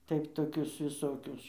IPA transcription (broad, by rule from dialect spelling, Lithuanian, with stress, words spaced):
ˈtɐɪp toːˈkʲʊs ʋʲɪˈsoːkʲʊs